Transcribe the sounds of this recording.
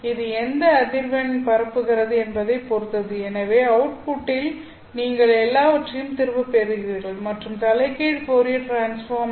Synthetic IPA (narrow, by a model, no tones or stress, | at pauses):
ɪðɯɛnd̪ɐːðɪɾʋɐnpɐɾɐpːɯɣɪɾɐðɯɛnbɐðɐɪpɔɾɯt̪ːɐðɯɛnɐʋeːɐwʊʈ̚pʊʈːɪl | niːŋɡɐɭɛlːaːʋɐʈrɐjɯmt̪ɪɾɯʋɐpːeɾɯɣɪɾiːɾɣɐɭmɐʈrɯmt̪ɐlɐɪkːeːɽpoːɾɪjɐʈɾaːnsfaːɾm